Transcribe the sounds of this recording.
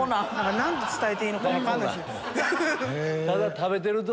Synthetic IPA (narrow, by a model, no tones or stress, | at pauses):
onanãŋkanãnt̪ot͡sɨ̥t̪aet̪eiːnokakãnd̪aɕi | t̪ad̪at̪ʰabet̪̬eɾɯt̪o